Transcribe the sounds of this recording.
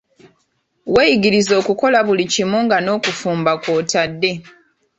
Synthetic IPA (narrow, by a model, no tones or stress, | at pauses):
weːjiɡiɾizo̞ːkuko̞laβulicimuŋɡano̞ːkufuːmbakwoːtadːe̞